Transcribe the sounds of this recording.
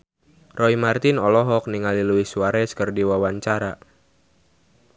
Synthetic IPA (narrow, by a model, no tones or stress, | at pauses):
rɔimart̪ɪnɔlɔɦɔk̚niŋaliluiswaɾɛskərdiwawaɲt͡ʃaɾa